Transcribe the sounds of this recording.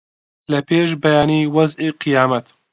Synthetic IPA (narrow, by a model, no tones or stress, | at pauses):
lɐpʰeːʃbɛjaːniːwɐzʔiqɨjaːmɐt̪